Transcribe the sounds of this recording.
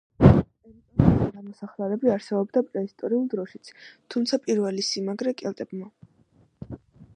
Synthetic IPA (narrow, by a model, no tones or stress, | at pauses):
ɛmt̪ʼɔnid̪amɔsaχlɛɾɛbiaɾsɛbɔbd̪apʼɾɛist̪ʼɔɾiulˠd̪ɾɔʃit̪sʰt̪ʰumt̪sʰapʼiɾvɛlisimaɡɾɛkʼɛlt̪ʼɛbma